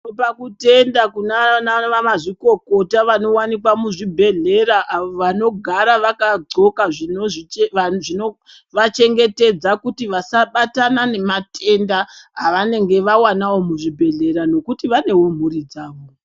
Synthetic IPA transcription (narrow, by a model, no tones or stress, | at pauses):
opakute̞ndakunanaʋamaʐiko̞ko̞taʋano̞wanik̬wamuʐibʱe̞ɮe̞ɾaʔaʋoʋano̞ɡʱaɾaʋakaɡ͡ǀo̞kaʐinoʐieʋaʐino | ʋat͡ʃe̞ŋɡe̞te̞d͡zakutiʋasaɓatanane̞matʰe̞ndaɦaʋane̞ŋɡe̞ʋawanawo̞muʐibʱe̞ɮe̞ɾano̞kutiʋane̞wo̞m̤urid͡zaːʋo̞